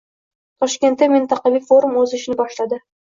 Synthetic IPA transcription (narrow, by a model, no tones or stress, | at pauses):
t̪ʰɒʃkʲe̞nt̪ːamɪnt̪ʰɑqʰɑvijfo̞ɾumɵzɪʃɪnɪbɒʃlad̪ɪ